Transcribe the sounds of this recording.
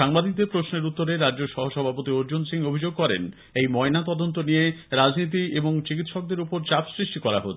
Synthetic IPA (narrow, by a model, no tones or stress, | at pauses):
ʃaŋbad̪it̪̬epɾosneɾut̪ːoɾeɾadːd͡ʑoʃɔɦoʃɔbʱapot̪ioɾd͡ʑunsiŋobʱid͡ʑoɡ̚kɔɾḛn | ejmɔenat̪ɔd̪ont̪onijeɾad͡ʑnit̪̬ieboŋt͡ɕikit̪ʃɔk̚d̪eɾupoɾt͡ɕapsɾiʃʈikɔɾa̰ɦot̪ʰ